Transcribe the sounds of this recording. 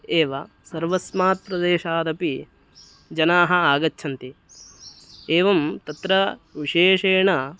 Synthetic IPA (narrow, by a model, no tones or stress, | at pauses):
eːʋɐ | sɐɾʋɐsmaːt̪̚pɾɐd̪eːʃaːd̪ɐpi | d͡ʒɐnaːɦɐaːɡɐtːʃʰɐnt̪i | eːʋɐmt̪ɐt̪ɾɐʋiʂeːʂeːɳɐ